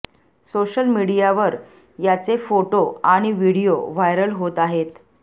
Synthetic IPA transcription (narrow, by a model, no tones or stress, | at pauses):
soɕəlmiɽijaʋəɾ | jat͡sefoʈoaɽ̃iʋiɽijoʋajɾəlɦot̪aɦet̪